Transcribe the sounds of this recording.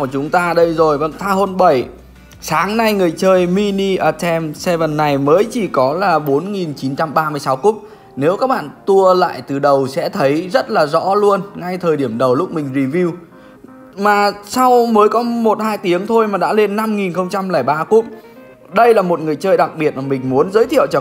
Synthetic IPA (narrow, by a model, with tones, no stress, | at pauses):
ku˧˩ət͡ɕʊ˨˦ŋ͡mt̪aː˧ɗə˧jzo˨˩jvə˧˩ŋt̪ʰaː˧ho˧nɓə˧˩j | saː˨˦ŋna˧jŋɨ˨˩əjt͡ɕəː˧jmi˧ni˧ʔə˧˩sɛ˧msɛ˧və˨˩nːa˨˩jməː˨˦jt͡ɕi˧˩kɔ˨˦laː˨˩ɓo˨˦nŋi˨˩nt͡ɕi˨˦nt͡ɕa˧mɓaː˧mɨ˧əjsa˨˦wku˦˥p̚ | ne˨˦wkaː˦˥k̚ɓa̰ː˧˨nt̪u˧əla̰ː˧˨jt̪ɨ˨˩ɗə˨˩wsɛ̰˧˥t̪ʰə˨˦jzə˦˥t̚laː˨˩zɔ̰˧˥lu˧ənŋa˧jt̪ʰəː˨˩jɗi˧˩əmɗə˨˩wlʊ˦˥k͡p̚mï˨˩ŋ̟zi˨˩vi˧w | maː˨˩sa˧wməː˨˦jkɔ˨˦mo˨˩t̚haː˧jt̪i˨˦əŋt̪ʰo˧jmaː˨˩ɗa̰ː˧˥le˧nːa˧mŋi˨˩nxə˧wŋ͡mt͡ɕa˧mlɛ˧˩jɓaː˧ku˦˥p̚ | ɗə˧jlaː˨˩mo˨˩t̚ŋɨ˨˩əjt͡ɕəː˧jɗa˨˩k̚ɓi˨˩ət̚maː˨˩mï˨˩ŋ̟mu˨˦ənzəː˨˦jt̪ʰḭ˧˨ə˨wt͡ɕɔ˧˩